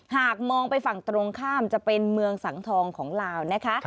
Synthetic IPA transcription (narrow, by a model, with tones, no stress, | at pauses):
haː˨˩k̚mɔː˧ŋpa˧jfa˨˩ŋt̪ɾo˧ŋkʰaː˥˩mt͡ɕa˨˩pe˧nmɯ˧əŋsa˨˩˦ŋt̪ʰɔː˧ŋkʰɔː˩˦ŋlaː˧wna˦˥kʰa˦˥ʔ